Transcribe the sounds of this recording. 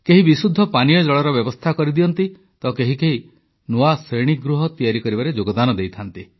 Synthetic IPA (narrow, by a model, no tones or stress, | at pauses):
keɦibisud̪ʱːɔpanijɔd͡ʒɔɭɔɾɔbjɔbɔst̪ʰakɔɾid̪iɔnt̪i | t̪ɔkeɦikeɦi | nuasɾeɽ̃iɡɾuɦɔt̪ijaɾikɔɾibaɾed͡ʒoɡɔd̪anɔd̪ejt̪ʰant̪i